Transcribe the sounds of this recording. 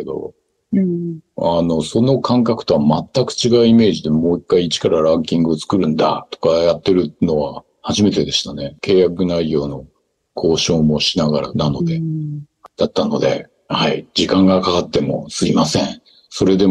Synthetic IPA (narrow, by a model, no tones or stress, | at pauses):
ed̪o̞̰ | ano̞so̞no̞kʰãŋkakɯ̟̥t̪o̞βamat̪ːakɯ̟̥t͡ɕiɡaɯ̟ime̞ːʑid̪e̞mo̞ːikːaiːt͡ɕi̥kaɾaɾãŋkʲĩŋɡɯot͡sɨ̥kɯ̟ɾɯ̟̃nd̪a̰t̪o̞̥kajat̪ːe̞ɾɯ̟no̞βa | haʑime̞t̪e̞d̪e̞ɕi̥t̪ane̞ke̞ːjakɯ̟naijo̞ːno̞ | kʰo̞ːɕo̞ːmo̞ɕinaɡaɾa̰nano̞d̪e̞ | d̪̥at̪ːano̞̰d̪e̞̰ | haid͡ʑikãŋɡakakat̪ːe̞mo̞̰sɨimasẽ̞ɴ̃ | so̞ɾe̞d̪e̞